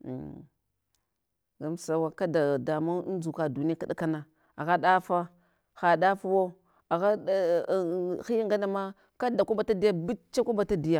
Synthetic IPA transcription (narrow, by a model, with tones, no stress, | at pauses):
ɡa˦msa˦wa˦ka˦da˨da˨ma˦n˦d͡ʒu˨ka˨du˨ni˦a˦ka˦da˦ka˦na˨ | a˨ɣa˦ɗa˦fa˦ | xa˨ɗa˦fa˦wo˦ | a˨ɣa˦˨ | xi˦jŋɡa˦na˨ma˦ | ka˦da˨ku˦ba˨ta˦di˦ja˦bi˦t͡ʃa˦ku˦ba˨ta˦di˨ja˨